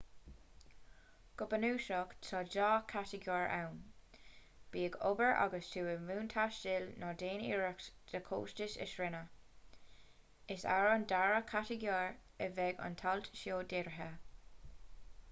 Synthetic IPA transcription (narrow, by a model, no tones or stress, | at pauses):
ɡ̥ʊbənuːʃɔkt̪ʰɔd͡ʒɑːkʰatəɡjaːɹa̰wn | b̥iːəɡo̰bəɹʔa̰ɡəstʰuːəmuːntʰaʃtɪlnɔdeːnḭːɹəksd̪̥əkʰo̰ːstɪsɪ̰ʃɹɪnə | ɪsa̰ɹəndaɹəkʰatəɡjaːɹəvɛɡa̰nt̪ʰaltʃjoːdɪɾɦə